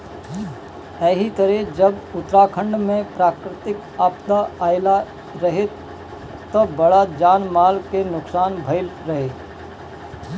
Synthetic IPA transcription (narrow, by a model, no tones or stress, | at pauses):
ɛːɦit̪əɾed͡ʒɐbʊt̪ɾaːkʰə̃ɳɖmẽpɾaːkɾɪt̪ɪk | aːpd̪aaːɪla | ɾɐɦe | t̪obɐɽad͡ʒaːnmaːlkenʊksaːnbʱɐɪlɾɐɦeː